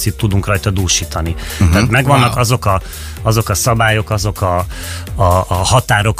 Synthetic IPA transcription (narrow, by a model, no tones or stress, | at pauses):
sit̪ːud̪uŋkrɒjt̪ɒd̪uːlʃiːt̪ɒnit̪aːt̪mɛɡʋɒnːɒkɒzo̞kɒ | ɒzo̞kɒsɒbaːjo̞kɒzo̞kɒː | hɒt̪aːɾo̞k